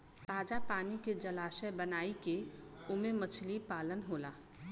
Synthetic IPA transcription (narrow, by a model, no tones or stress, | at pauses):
taːd͡ʒapaːniked͡ʒəlaːsɛbənaːike | ʊmemət͡ʃʰlipaːlənɦoːlaː